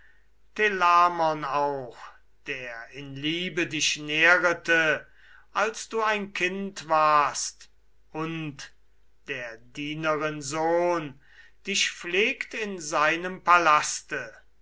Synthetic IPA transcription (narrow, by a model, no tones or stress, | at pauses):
tʰelaːmɔnaʊx | d̥eːɐɪnliːbədɪʃneːʁətə | ʔalsd̥uːaɪnkʰɪntv̥aːɐst | ʔʊnt | d̥eːɐdiːnəʁɪnzoːn | d̥ɪʃfleːktɪnzaɪnəmpalastə